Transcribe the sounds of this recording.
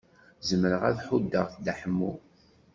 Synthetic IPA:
zəmːəɾəʁæðħud̪ːəʁθd̪aħəmːu

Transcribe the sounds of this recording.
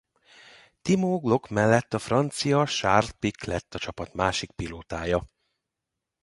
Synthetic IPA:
t̪imoːɡlo̞kmɛlːɛt̪ːɒfrɒnt̪sijɒʃart̪̚piklɛt̪ːɒt͡ʃɒpɒt̪maːʃik̚piloːt̪aːjɒ

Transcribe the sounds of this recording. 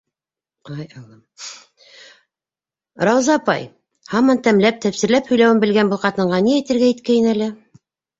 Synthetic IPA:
qɑjɑlˠɤm | ɾɑwzɑpɑ̰j | hɑmɑnt̪æmlæp̚t̪æpsɘ̆ɾlæphɵ̆jlæwɘmbɘ̆lɡænbɤlˠqɑt̪ɤ̆ɴɢɑniæjt̪ɘ̆ɾɡæjɘt̪̚kæjɘnælɘ

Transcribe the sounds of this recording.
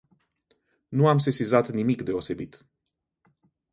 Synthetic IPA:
nuams̬esizat̪nimikd̪e̞o̞se̞bit̪

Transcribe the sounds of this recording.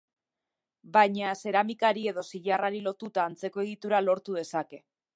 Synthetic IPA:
bajɲase̞ɾamikaɾie̞ðo̞siʎaraɾilo̞t̪ut̪aːnt͡se̞ko̞e̞ɣ̞it̪uɾalo̞ɾt̪uð̞e̞sake̞

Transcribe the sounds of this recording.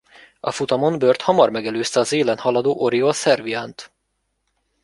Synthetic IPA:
ɒ̰fut̪ɒmo̞nbørt̪hɒmɒrmɛɡɛløːst̪ɛɒzeːlɛnhɒlɒd̪oːʔoɾiosɛrviant̪

